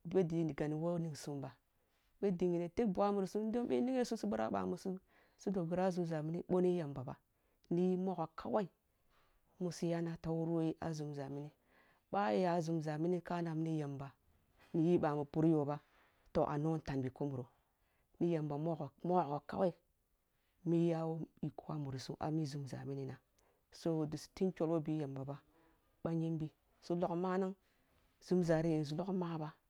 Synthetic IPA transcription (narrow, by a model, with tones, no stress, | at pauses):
ɓe˦di˨ni˨ɡa˨ni˨wo˦ni˨ɡsu˨mba˨ | ɓe˦di˨ŋi˨ne˨te˦k̚bu˨a˦mu˨ɾsu˦do˦ɓe˦ni˦ɡe˦su˦su˦ɓu˦ɾa̰˦ɓa̰˨mu˨su˦ | su˦do˨ɡu˨ɾa˦zu˨mza˨mi˦ni˦ɓo˦ni˦ja˨mba˨ba̰˨ | ni˦ji˦mo˦ɣo˨ka˦wa˦i˨ | mu˨si˦ja˦na˦ta˦wu˦ɾu˦ji˦ʔa̰˨zu˨mza˨mi˦ni˦ | ɓa˦ja˨˦zu˨mza˨mi˦ni˦ka˦na˨m˦ni˦ja˨mba˨ | ni˨ji˦ba˨mu˨pu˦ɾjo˨ba˦ | to˨ʔa̰˨no˦n˦ta˨nbi˨ko˦mu˨ɾo˨ | ni˦je˨mba˨mo˦o˨mo˦˨ko˨ka̰˨we˦i˦ | mi˦ja˦wo˦i˨ku˦wa˦mu˨ɾsṵ˦ʔa̰˨mi˦zu˨mza̰˨mi˦ni˦na˨ | so˦˨di˨sti˦nt͡ʃo˨lwo˦bi˦je˨mba˨ba˦ | ɓa˦ɲi˦nbi˨ | su˦lo˨kma˦na˦ŋ | z̥u˨˦mza˨ɾi˦ji˨n˨z̬u˨lo˦kma˦ba˦